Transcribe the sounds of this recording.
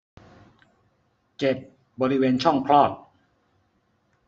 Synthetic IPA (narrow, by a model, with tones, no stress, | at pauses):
t͡ɕe˨˩tp̪̚ | bɔː˧ɾi˦˥weː˧nt͡ɕʰɔ˥˩ŋpʰɾɔː˥˩t̪̚